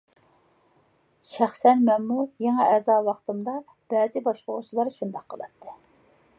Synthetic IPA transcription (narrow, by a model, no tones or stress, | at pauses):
ʃæχsɛnmɛmːujeŋɛʔɛzɑwɑχt̪ʰɨmd̪ɑ | b̥ɛːzɪbɑʃqoʁut͡ʃʰilˠɑɾʃund̪ɑqʰːəlˠɑ̰t̪ʰːɨ